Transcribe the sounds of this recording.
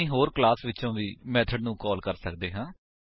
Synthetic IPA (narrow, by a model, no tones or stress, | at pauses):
ĩːɦoːɾklaːsʋɪt͡ʃõːʋiːmɛːt̪ʰəɖnũːkɔːlkəɾsəkd̪eːɦãː